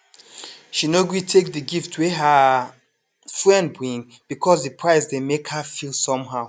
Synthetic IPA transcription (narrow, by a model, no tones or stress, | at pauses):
ʃinoɡwitʰek̚ðɨɡiftʰweɦə | fɹɛ̃nd̚bɹĩŋ | b̥ikʰɔsðɨpʰɹaɪsdemekhafilˠsɔ̃mɦaʊ